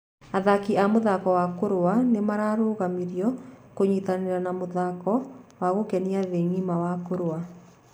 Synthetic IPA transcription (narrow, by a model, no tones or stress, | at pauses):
aðakiamoðakɔwakoɾowanemaɾaɾoːɣamiɾjɔkoɲit̪aneɾanamoðakɔwaɣokɛniaðeŋimawakoɾowa